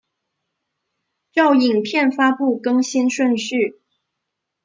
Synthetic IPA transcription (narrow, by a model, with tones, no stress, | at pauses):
ʈ͡ʂɑ˥˩ʊi˨˩ŋpʰjɛ˥˩nfa˥pu˥˩kɤ˥ŋɕi˥nʂwə˥˧nɕy˥˩